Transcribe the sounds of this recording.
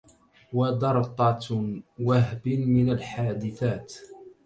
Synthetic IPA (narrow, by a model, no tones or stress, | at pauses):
wɑd̪ɑɾˤt̪ˤɑt̪waɦbmɪnalħaːd̪ɪθaːt̪